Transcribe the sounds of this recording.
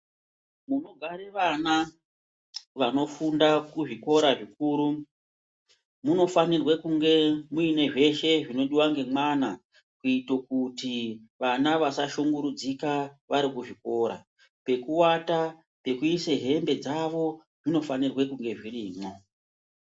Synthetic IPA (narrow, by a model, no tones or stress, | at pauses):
muno̞ɡʱaɾeʋana | ʋano̞fundakuʐiko̞ɾaʐikuːɾu | muno̞fanirwekuŋɡe̞muine̞ʐe̞ʃe̞ʐino̞ɗiwaŋɡe̞mwana | kuitok̚utiʋanaʋasaʃoŋɡuɾud͡zikaʋaɾikuʐiko̞ɾa̰ | pe̞kuwata | pe̞kuise̞ɦe̞mbe̞d͡zaʋo̞ | ʐino̞fanirwekuŋɡe̞ʐiriːmo̞